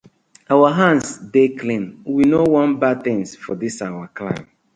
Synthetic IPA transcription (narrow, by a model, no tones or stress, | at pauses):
awaɦãnsdeklĩnwinowɔ̃nbat̪ɪ̃ŋsfɔdisawaklãɪ̃m